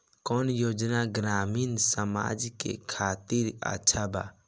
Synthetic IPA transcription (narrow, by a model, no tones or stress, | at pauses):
kɔːnjoːd͡ʒnaɡɾaːmiːnsəma̰ːd͡ʒkḛkʰaːt̪iɾa̰ːt͡ʃʰaba̰